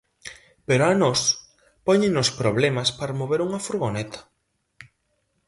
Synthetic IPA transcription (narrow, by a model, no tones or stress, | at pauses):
peɾoanɔs | pɔɲɪnospɾoβlemaspaɾmoβeɾuŋɐfuɾɣonɛt̪ʰḁ